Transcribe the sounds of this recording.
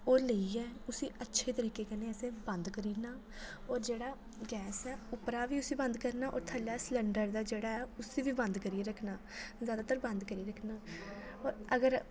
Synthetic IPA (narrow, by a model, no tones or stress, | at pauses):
oːləiːɛːʊsĩːʔətːʃʰeːt̪əɾiːkeːkɛːneːəsẽːbənd̪kəɾiːnaː | ɔːɾd͡ʒeːɽaː | ɡɛːsɛːʊpɾaːʋiːʊsiːbə̃nd̪kəɾnaːʔɔ̰ːɾt̪ʰəlaːslɛ̃ːɳɖəɾd̪aːd͡ʒeːɽaːɛːʊsiːʋiːbənd̪kəɾiːeɾəkʰnaːzjaːd̪aːt̪əɾbə̃nd̪kəɾiːɾəkʰnaː | ɔːɾəɡəɾ